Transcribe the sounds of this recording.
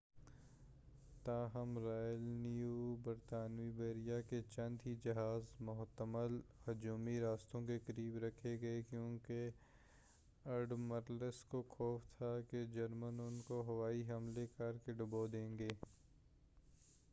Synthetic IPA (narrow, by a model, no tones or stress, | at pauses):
t̪aːɦɐmɾaːjəlnijuːbɐɾt̪aːnʋibeːɾijaket͡ʃɐ̃nd̪ɦid͡ʒɐɦaːzmʊɦt̪əməlhɐd͡ʒuːmiɾaːst̪õkekəɾiːbɾɐkʰːeɡɐekjõːke | ɐɾɖməɾləskokʰɔːft̪ʰaked͡ʒɐɾmənʊnkoɦɐʋaːiɦɐmlekɐɾkeɖʊbod̪ẽːŋɡeː